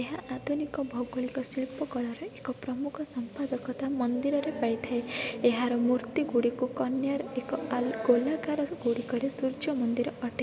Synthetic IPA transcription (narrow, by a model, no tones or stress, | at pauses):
eɦaʔad̪ʱunikɔbʱɔɡɔɭikɔsilpɔkɔɭɔɾɔekɔpɾɔmukʰɔsɔmpad̪ɔkɔt̪amɔnd̪iɾɔɾepajt̪ʰaeeɦaɾɔmuɾt̪iɡuɽikukɔnjaɾekɔɡolakaɾɔɡuɽikɔɾesuɾd͡ʒɔmɔnd̪iɾɔɔʈe